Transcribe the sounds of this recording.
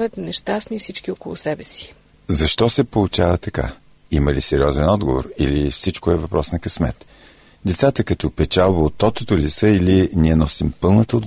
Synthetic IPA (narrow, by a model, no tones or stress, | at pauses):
vət̪nɛʃt̪asnifsit͡ʃkiokolˠʊsɛbɛsi̥ | zɐʃt̪ɔsɛpolˠʊt͡ʃavət̪ɐka̰ | iməlisɛɾiɔzɛnɔd̪ɡovo̰ɾilifsit͡ʃkoɛvɐpɾɔsnɐkɐsmɛ̰t̪ | d̪ɛt̪sat̪əkɐt̪ɔpɛt͡ʃalˠbəot̪ːɔt̪ot̪olisəiliniɛnɔsimpɤlˠnət̪əod̪